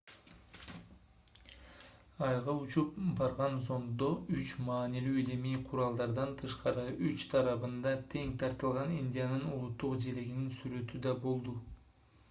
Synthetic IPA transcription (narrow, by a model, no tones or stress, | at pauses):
ɑjʁɑut͡ʃupbɑɾʁɑnzo̞nd̪o̞yt͡ʃmɑːnilyːelemijqʰuɾɑlˠd̪ɑɾd̪ɑnt̪ʰɯʃqɑɾɯʔyt͡ʃt̪ʰɑɾɑβɯnd̪ɑt̪ʰe̞ŋt̪ʰɑɾt̪ɯlˠʁɑninʲd̪ʲijanɯnulˠut̪ːuqd͡ʒe̞ɾe̞ɡʲininsyɾø̞t̪yd̪ɑbo̞lˠd̪u